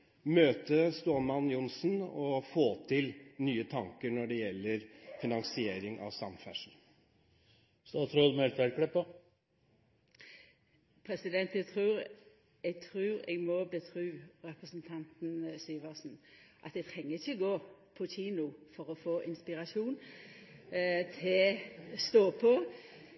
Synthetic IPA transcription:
møːt̪əst̪oːmɑnjʊnsn̩ɔfoːt̪ʰɪlnyːət̪ʰɑŋkəɳɔɖɛjɛlːəɾfɪnɑŋsɪeːɾɪŋɑ̰ʋsɑ̰mfæ̰ʂn̩ | st̪ɑːt̪ʰɾɔd̪mɛlt̪ʋæɾkʰɽɛpːə | pʰɾɛsɪd̪ɛnt̪jɛt̪ʰʁʉːɾ | ɛɡt̪ʰɾʉːɾɛ̰ɡmɔbət̪ʰʁʉːɾɛpʁəsn̩t̪ʰɑnt̪n̩syːʋəʁsn̩ʔɑt̪d̪ɛt̪ʰɛŋːəɪçəɔɡoːpʰɔçiːnʊfɔʁɔfoːʔɪnspɪʁɑsuːn | t̪ʰɪst̪oːpʰɔ

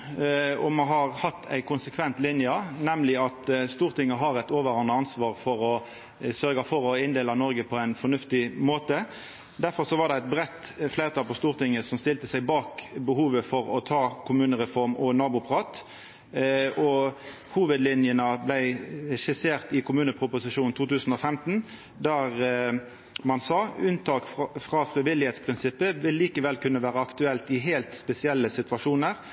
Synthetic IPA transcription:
ɔmɑɦɑʁhɑt̪ʰːæ̰ɪkʊnsəkʰʋɛnt̪lɪnjənɛmlɪɑt̪st̪uːʁt̪ʰɪŋːəɦɑɾɛt̪oːʋəɾɑnəɑnsʋɑːʁfɔɾɔ | sœɾɡɑfɔɾɔɪnd̪eːlɑnɔɾɡəpʰɔæɪnfɔʁnʉft̪ɪmoːt̪ə | d̪æɾfɔʁsɔʋɑʁd̪ɛæt̪̚bɾɛt̪ːflæɪt̪ɑːlpɔst̪uːʁt̪ɪŋːəsɔmst̪ɪlt̪əsæɪbɑːkbəhuːʋəfɔɾɔt̪ʰɑːkʰʊmʉːnəʁɛfɔʁmɔnɑːbʊpʰɑʁɑːt̪ | ɔ | huːʋəd̪lɪnjənəblæɪɛʃɪseːʁt̪ɪkʰʊmʉːnəpʰʁʊpʊsɪʂuːnn̩t̪ʰuːt̪ʉːsn̩ɔfɛmt̪n̩ | d̪æʁ | mɑnsɑːʉnt̪ʰɑːkfʁɑːfɾɪʋɪlɪheːt̪spʰʁɪnsɪpːəʋɪlːiːkəʋɛlkʉnːəʋæːʁəɑkt̪ʉɛlt̪ɪɦeːlt̪spɛsɪɛlːəsɪt̪ʋɑʂuːnəʁ

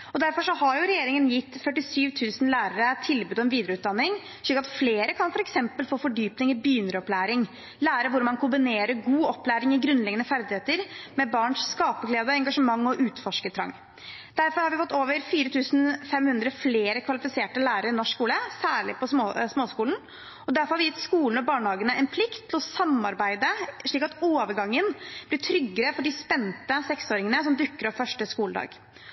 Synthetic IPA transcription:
ɔd̪æɾfɔʂɔhɑɾjʊɾɛjeːɾɪŋənjɪt̪ːfœʈːɪsyːʋt̪ʰʉːsnlæːɾəɾət̪ʰɪlbʉːd̪ɔɛmʋiːd̪ɾəʉːt̪d̪ɑnːɪŋ | ʃliːkːɑt̪fleːɾəkʰɑnfɔɾɛksɛmpəlfoːfɔɖyːpnɪŋɪbyːnəɾɔplæːɾɪŋ | læːɾɾəʋʊɾmɑnkʊmbɪneːɾəɾɡuːɔpːlæːɾɪŋɪɡɾʉnlɛɡənəfæɾd̪ɪheːt̪əɾmɛbɑːɳʂskɑːpəɡleːd̪əɛŋɡɑʂəmɑŋːɔʔʉːt̪fɔʂkət̪ʰɾɑ̰ŋː | d̪æɾfɔɾhɑɾʋɪfɔt̪ːoːʋəɾfiːɾət̪ʰʉːsn̩fɛmhʉnd̪ɾəfleːɾəkʰʋɑlɪfɪseːʈəlæːɾəɾɪnɔʂkuːləsæːɭɪ̰pʰɔssmoːskuːln̩ | ɔd̪æɾfɔɾhɑɾʋɪjɪt̪ːskuːln̩ɔbɑːɳəhɑːɡənəɛnpʰlɪkt̪ʰːɪlɔsɑmːɑɾbæɪd̪əʂɭiːkɑt̪oːʋəɾɡɑŋːənb̥lɪʈʰɾʏɡːəɾəfɔɖɪspɛnt̪əsɛksoːɾɪŋənəsɔmd̪ʏkːəɾɔʋfœʂʈəskuːləd̪ɑ̰ːɡ̥

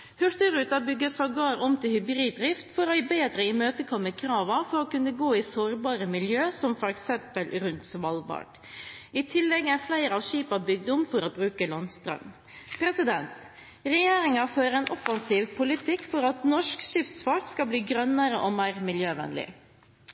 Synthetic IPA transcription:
hʉɾt̪əɾʉːt̪ɑbʏɡːəsɑɡɑːɾɔmt̪ʰɪlhʏbɾiːd̪̚d̪ɾɪft̪fɔɾɔbeːd̪ɾəimøːt̪əkʰɔmːəkʰɾɑːʋɑfɔɾoːkʉnːəɡoːɪsoːɾbɑːɾəmɪljøːsɔmfɔɾɛksɛmpəlɾʉnt̪sʋɑlʋɑ̰ʈ | ɪt̪ʰɪlːɛɡæflæɪɾəɑʋʃiːpɑbʏɡ̚d̪ʊmfɔɾoːbɾʉːkəlɑnst̪ɾœ̰m | pʰɾɛsɪd̪ɛnt̪ | ɾɛjeːɾɪŋɑføːɾəɛnʔɔfɑnsiːʋpʰʊlɪt̪ʰɪkːfɔɾɑt̪nɔʂkʃɪft̪sfɑʈskɑbliːɡɾœnəɾəʔomæɪɾmɪljøːʋɛ̰nlɪ̰

